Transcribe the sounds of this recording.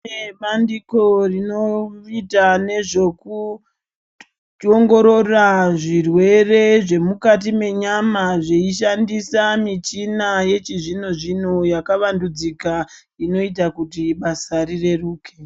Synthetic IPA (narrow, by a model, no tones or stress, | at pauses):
eɓandiko̞rino̞itane̞ʐo̞ku | oŋɡo̞ɾo̞raʐirwe̞re̞ʐe̞mukat̬ime̞ɲamaʐeiʃ̬andisamit͡ʃinaje̞t͡ʃiʐino̞ʐinojakaʋandud͡zika | ino̞it̬akutiɓasaɾire̞ruːkʰe